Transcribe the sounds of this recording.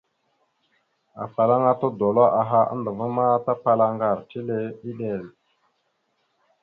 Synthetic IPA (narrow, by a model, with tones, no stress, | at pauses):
a̰˨fa˨la˦ŋa˦to˦do˨lo˦ʔa˨ɦa˦ʔa̰˦ndə˨va˦ma˦ta˦pa˦la˦ŋɡa˦˨ɾti˦le˦i˦ɗe˨l